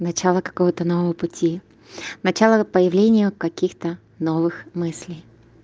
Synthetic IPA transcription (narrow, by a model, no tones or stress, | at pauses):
nɐt͡ɕalˠəkɐ̥ko̞vət̪ənovəvəpʊtʲi | nɐt͡ɕalˠəpəjɪvlʲenʲɪjʊkɐkʲixt̪ə | novɨxmɨsʲlʲɪj